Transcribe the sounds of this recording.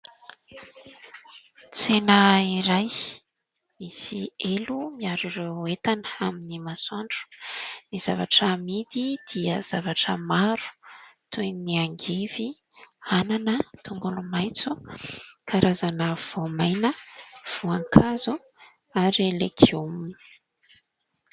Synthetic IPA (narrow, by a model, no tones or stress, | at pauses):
t͡senəiɾaj | misielumiaɾuɾewet̪anə̥aminimasuaɳɖ͡ʐu̥niz̥avaʈ͡ʂəmid̪id̪̥iəz̥avaʈ͡ʂəmaɾu̥t̪ʰujniaŋɡivi | ananət̪uŋɡulumajt͡su | kʰaɾazanəv̥omajnəv̥uaŋkʰazu | aɾlekʰiumun